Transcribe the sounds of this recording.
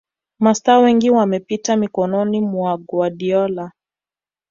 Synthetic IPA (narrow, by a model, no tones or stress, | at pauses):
mastaːwɛŋɡiwamɛpitamikɔnɔnimuaɡwaɗiɔla